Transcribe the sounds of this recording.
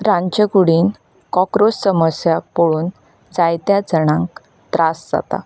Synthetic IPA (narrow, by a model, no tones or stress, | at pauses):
ɾãɲt͡ɕəkuɽiːn | kɔkɾosːəməsjapoɭuːn | d͡zajt̪jad͡zəɽ̃ãŋk | t̪ɾasd͡za̰t̪a̰